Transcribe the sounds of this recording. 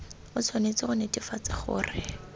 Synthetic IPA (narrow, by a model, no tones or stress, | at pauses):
ʊt͡sʰonet͡sɪχʊnetifat͡sɪχʊ̰ːrɪ